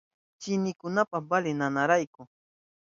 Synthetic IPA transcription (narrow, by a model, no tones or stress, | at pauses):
t͡ʃɪnɪkʊnapabalɪnanaɾajkʊ